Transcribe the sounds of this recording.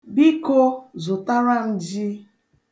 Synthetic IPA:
bi˦ko˦zʊ˨ta˦ɾa˦n̩˦d͡ʒi˦

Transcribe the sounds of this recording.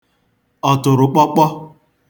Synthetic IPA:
ɔ˨tʊ˨ɾʊ˨k͡pɔ˦k͡pɔ˦

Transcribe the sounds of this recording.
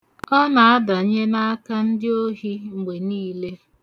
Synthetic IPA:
ɔ˦na˨a˦da˨˦ɲe˦na˦a˦ka˦n̩˦dɪ˦o˦ɦi˦ŋ͡m̩˨ɡ͡be˨niː˦le˦

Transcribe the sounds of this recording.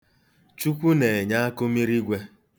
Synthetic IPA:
t͡ʃu˦kʷu˦ne˨e˨ɲa˦a˦kʊ˦mi˦ɾi˦ɡʷe˦

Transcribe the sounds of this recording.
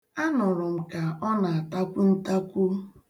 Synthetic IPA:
a˦nʊ˨ɾʊ˨m̩˨ka˨ɔ˦na˨a˨ta˦kʷu˦n̩˦ta˦kʷu˦

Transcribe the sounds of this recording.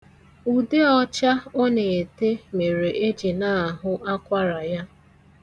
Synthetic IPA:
u˨de˦ɔ˦t͡ʃa˦ɔ˦ne˨e˨te˦me˨ɾe˨ʔe˦d͡ʒi˨na˦˨a˨ɦʊ˦ʔa˦kʷa˦ɾa˨ja˦

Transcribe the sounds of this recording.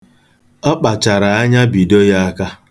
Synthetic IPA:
ɔ˦k͡pa˨t͡ʃa˨ɾa˨a˦ɲa˦bi˨do˦ja˦a˦ka˦

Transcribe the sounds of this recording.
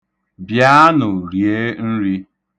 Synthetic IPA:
bja˦nʊ˨ɾje˦n̩˦ɾi˦

